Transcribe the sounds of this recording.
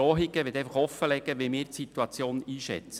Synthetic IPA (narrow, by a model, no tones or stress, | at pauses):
ɔːɦiɡ̥əʋet̪ɛɪfɑχɔfəlɛɡ̥əʋimɪːɾtsit̪uɑt͡sjoːniːʃɛ̰t͡sə